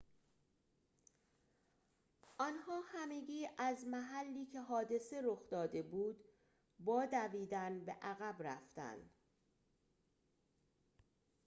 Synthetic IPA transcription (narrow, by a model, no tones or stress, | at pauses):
ʔɒnhɒːhæme̞ɟiːʔæzmæɦælːiːcʰe̞ɦɒːd̪e̞se̞ɾoxd̪ɒːd̪e̞buːd̪ | bɒːd̪æviːd̪ænbe̞ʔæɣæbɾæ̰ft̪æ̰nd̪̥